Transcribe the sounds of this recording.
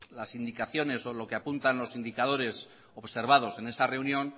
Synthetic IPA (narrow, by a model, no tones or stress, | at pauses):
lasind̪ikaθjo̞ne̞so̞lo̞keapunt̪anlo̞sind̪ikað̞o̞ɾe̞s | oβse̞ɾβ̞að̞o̞se̞ne̞sare̞unjõ̞n